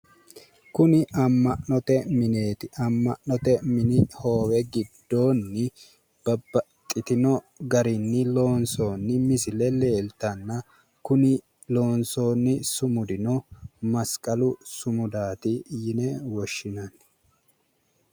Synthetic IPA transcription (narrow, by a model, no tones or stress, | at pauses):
kʊnɪʔɐmːɐʔnɔt̪ɛmɪneːt̪ɪɐmːɐʔnɔt̪ɛmɪnɪho̞ːwɛɡɪd̪ːo̞ːnːɪ | b̥ɐbːɐ | kʼːɪt̪ɪnɔ | ɡɐɾɪnːɪlo̞ːnsoːnːɪmɪsɪlɛle̞ːlt̪ɐnːɐ | kʊnɪ | lo̞ːnso̞ːnːɪsʊmʊd̪ɪnɔmɐskʼɐlʊsʊmʊd̪aːt̪ɪjɪnɛwɔʃːɪnɐn